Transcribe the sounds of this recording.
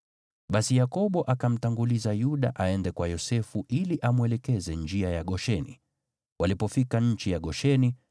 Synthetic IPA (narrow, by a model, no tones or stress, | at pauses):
ɓasijakɔɓɔʔakam̩taŋɡulizajuɗa̰ʔaɛndɛkwajɔsɛfuʔiliʔamwɛlɛkɛzɛnd͡ʒiajaɠɔʃɛnḭ | wʔalipɔfikaɲ̩t͡ʃijaɠɔʃɛni